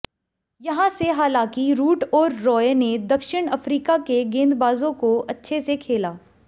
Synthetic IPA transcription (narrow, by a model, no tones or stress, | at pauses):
jɐɦãseɦaːlãːkiɾuːʈɔːɾːɔːened̪ɐkʃɪɽ̃ɐfɾiːkakeɡẽːnd̪baːzõkoɐtːʃʰesekʰeːlaː